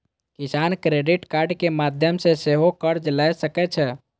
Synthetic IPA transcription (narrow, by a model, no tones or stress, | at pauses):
kisankɾeɖiʈkaɾɖkemad̪ʱjəmseseɦokəɾd͡ʒəlajsəkɛt͡ʃʰɛ